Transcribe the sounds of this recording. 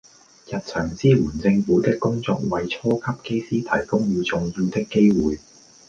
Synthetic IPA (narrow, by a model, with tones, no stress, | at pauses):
jɐ˨t̚t͡sʰœː˨˩ŋt͡siː˥wuː˨˩nt͡sɪ˧ŋfuː˨˥t̪ɪ˥kːʊ˥ŋt͡sɔː˧k̚wɐ˨jt͡sʰɔː˥kʰɐ˥p̚ke˥jsiː˥t̪ʰɐ̰˨˩jkʊ˥ŋjiː˧wt͡sʊ˨ŋji˧wt̪ɪ˥kːe˥jwuː˨˩j